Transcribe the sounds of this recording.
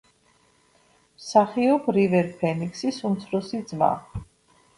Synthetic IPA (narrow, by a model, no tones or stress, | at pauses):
msaχiɔbɾivɛɾpʰɛnikʰsisumt̪sʰɾɔsid̪zma̰